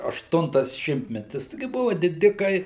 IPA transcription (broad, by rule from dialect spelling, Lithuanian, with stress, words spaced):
ɐʃˈtʊntɐs ˈʃʲɪmʲtʲmʲɛtʲɪs ˈtʲɪɡʲɪ ˈbʊʋoː dʲɪˈdʲɪkɐɪ